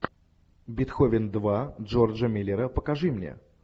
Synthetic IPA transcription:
bʲɪt̪xovʲɪnd̪vaʐord͡ʒəmʲilʲɪɾəpəkɐʐɨmnʲḛ

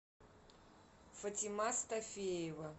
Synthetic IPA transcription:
fɐtʲimast̪ɐfʲejɛvɐ

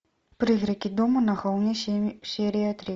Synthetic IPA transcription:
pɾɨɣɾɐkʲid̪ɔmunɐɣɔwnʲɛsɛɾiɐt̪ɾi

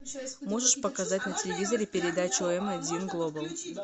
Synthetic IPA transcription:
mo̞ʐɨʂpəkɐzatʲnətʲɪlʲɪvʲizəɾʲɪpʲɪɾʲɪd̪at͡ɕʊoɛmɐdʲinɡlˠo̞bəlˠ

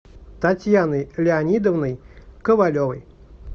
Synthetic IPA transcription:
t̪at͡sʲjanɨlʲɪanʲid̪ɔwnɨjkəvalʲɔvɨj

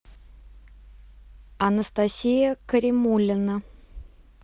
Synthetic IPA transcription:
ɐnəst̪asʲijəkəɾʲɪmulʲːɪnə

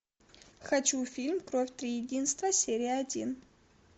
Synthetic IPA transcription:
xɐt͡ʃufʲilʲmkɾofʲt̪ɾʲijɪdʲinst̪vɐsʲeɾʲijɐɐdʲin

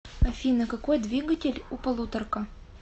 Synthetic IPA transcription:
ɐfʲinɐkɐkojd̪vʲiɡətʲɪlʲupɐlˠut̪ərkə

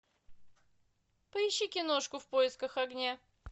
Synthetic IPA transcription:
pəɪɕːikʲɪno̞ʂkʊfpojɪskəxɐɡnʲa

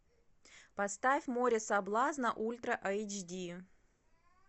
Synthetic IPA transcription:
pɐst̪afʲmoɾʲɪsɐblˠaznəʔulʲt̪ɾəʔat͡ʃdʲi

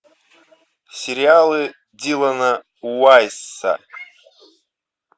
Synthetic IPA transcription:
sʲeɾialˠɨ | dʲilˠana | uwajsːa̰

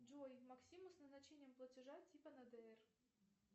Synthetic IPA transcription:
d͡ʒojmɐksʲimʊsnəznɐt͡ɕenʲɪjəmplˠətʲɪʐatʲipənɐd̪ɛɛr

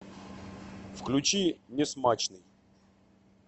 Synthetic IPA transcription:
fklʲʊt͡ɕinʲɪsmat͡ɕnɨj

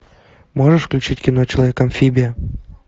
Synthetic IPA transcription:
moʐəʂfklʲut͡ɕitʲkʲinot͡ɕelˠɐvʲekɐmfʲibʲiə

